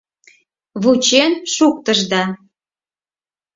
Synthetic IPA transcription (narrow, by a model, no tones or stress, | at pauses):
βut͡ɕenʃuk̚t̪ə̆ʒd̪ɑ